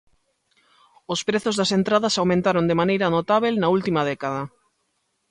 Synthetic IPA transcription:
ospɾeθozðɐsent̪ɾaðɐsawmẽnt̪aɾond̪emanejɾɐnot̪aβelnɐult̪imɐðɛkaðɐ

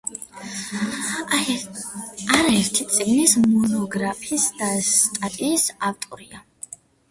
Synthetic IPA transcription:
aɾaɛɾt̪ʰit̪sʼiɡnismɔnɔɡɾapʰiisd̪ast̪ʼat̪ʼiːsavt̪ʼɔɾia

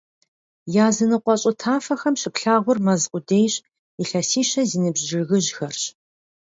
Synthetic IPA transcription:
jaːzɨnɨqʷɔɕʼʊtʰaːfɐxɐmɕɪpɬaːʁʷʊrmɐzqʷʊdeːjɕ | iɬɐsiːɕɐziːnɨbʒɪɣɨʑxɐrɕ

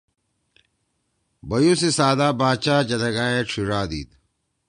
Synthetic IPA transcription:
bɐjũːsesaːd̪aːbaːt͡ɕaːd͡ʑɐd̪ɐɡaːeʈ͡ʂʰiɾaːd̪ḭːd̪̚

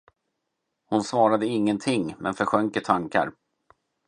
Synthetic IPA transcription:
hʊnsvɑːɾad̪əɪŋːənt̪ʰɪŋːmɛ̰nfœɾɧœŋkət̪ʰaŋka̰ɾ

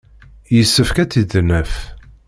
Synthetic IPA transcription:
jəsːəfkæt͡sːid̪nəf

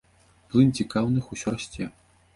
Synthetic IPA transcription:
plˠɨnt͡sʲikawnɨxusʲɔrasʲt͡sʲɛ

